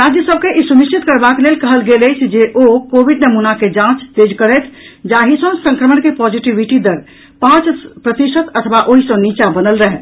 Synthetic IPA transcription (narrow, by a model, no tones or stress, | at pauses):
ɾad͡ʒjəsəb̚keʔisumiʃt͡ʃit̪kəɾbaklelkəɦəlɡeləjt͡ʃʰd͡ʒeʔokobiɖnəmunaked͡ʒãt͡ʃt̪ed͡ʒkəɾɛt̪ʰd͡ʒaɦisə̃sə̃ŋkɾəməɳkepɔd͡ʒiʈiʋiʈid̪əɾ | pãt͡ʃpɾət̪isət̪ət̪ʰʋaʔoɦisə̃nit͡ʃabənəlɾəɦɛ